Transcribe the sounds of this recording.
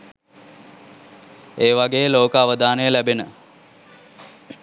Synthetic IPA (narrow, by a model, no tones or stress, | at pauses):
eːʋaɡeːjəloːkəaʋəd̪aːnəjəlæbenə